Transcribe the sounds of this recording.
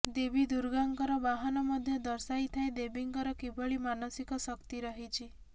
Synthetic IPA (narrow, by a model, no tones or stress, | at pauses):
d̪ebid̪uɾɡaŋkɔɾɔbaɦɔnɔmɔd̪ʱjɔd̪ɔɾsajt̪ʰaed̪ebiŋkɔɾɔkibʱɔɭimanɔsikɔsɔkt̪iɾɔɦit͡ʃʰi